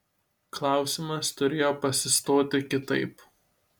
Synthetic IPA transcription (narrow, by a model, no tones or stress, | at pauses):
klˠɑˑʊsʲɪmɐst̪ʊɾʲeːjoːpɐsʲɪst̪oːt̪ʲɪkʲɪt̪ɐɪp